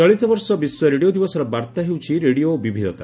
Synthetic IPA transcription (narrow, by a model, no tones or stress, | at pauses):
ɔɭit̪ɔbɔɾsɔbisjɔɾeɽiod̪ibɔsɔɾɔbaɾt̪aɦewt͡ʃʰiɾeɽiobibʱid̪ɔ̰t̪a̰